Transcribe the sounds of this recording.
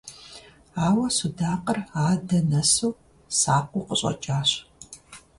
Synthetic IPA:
aːwɐsudaːqəraːdɐnɐsuː | saːqʷʼʊqəɕʼɐ̰t͡ʃʼaːɕ

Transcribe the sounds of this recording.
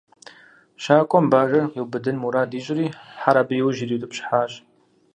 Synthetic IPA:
ʃaːkʷʼɔmbaːɣɐjɛwbɨdɨnmuɾaːdiːɕʼɪɾiːħaɾabijɛwʒiɾiːtʼɨpɕħaːɕʼ

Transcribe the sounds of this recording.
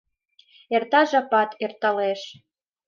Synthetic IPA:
ert̪ɑʒɑpɑt̪ert̪ɑleʃ

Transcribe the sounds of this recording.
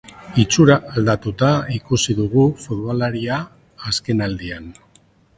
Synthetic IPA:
it͡suɾaːld̪at̪ut̪aikusiðuɣ̞ufut̪βalaɾiaː | ske̞nald̪ian

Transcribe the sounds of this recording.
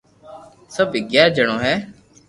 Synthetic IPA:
səbɪɡjaːɾd͡ʒəɽ̃õːɦɛː

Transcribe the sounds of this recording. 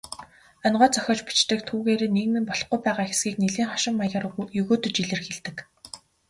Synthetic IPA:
œnɢœːt͡sœxʲɔːt͡ɕpi̥t͡ɕt̪ɘ̆k̚t̪ʰuːɣeːɾeːneɣnɘ̆mpɔɮɞ̆χɡujpæːʁaːxe̥sɡiːkneɮiːŋχɔʃɪ̆mːajə̆jɵɣoːt̪ɵ̆t͡ɕiɮɘ̆rxeɮt̪ɘ̆k

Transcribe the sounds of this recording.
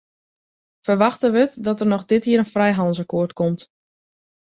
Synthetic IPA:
fərʋaxtəʋətdɔtərnɔxdɪthiːəɾənfrɛjɦɑnzəkoətkɔmt

